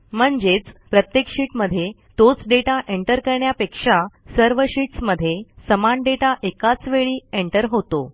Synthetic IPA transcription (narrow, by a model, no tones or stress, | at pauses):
m̤əɳd͡ʑet͡spɾət̪jekʂiːʈməd̪ʱːje | t̪ot͡sɖeʈaʔeɳʈəɾkəɾɳjapekʂasəɾʋəɕiːʈsməd̪ʱːjesəmanɖeʈaʔekat͡sʋeɭiːeɳʈəɾɦot̪o